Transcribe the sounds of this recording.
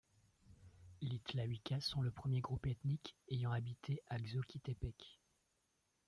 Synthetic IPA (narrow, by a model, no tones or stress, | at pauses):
lit̪lawikʲasɔ̃ləpχəmjeɡʁupɛt̪nikejɑ̃abit̪ʰeʔaɡzokʲit̪ɛpɛk